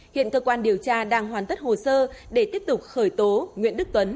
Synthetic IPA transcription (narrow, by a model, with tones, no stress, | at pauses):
hḭ˧˨ənkəː˧kwaː˧nɗi˨˩əwt͡ɕaː˧ɗaː˧ŋɦwaː˨˩nt̪i˦˥t̚ho˨˩səː˧ɗe˧˩t̪i˦˥əp̚t̪ʊ˨˩k͡p̚xəː˧˩jt̪o˨˦ŋwḭ˧˨ənɗɨ˦˥k̚t̪wə˨˦n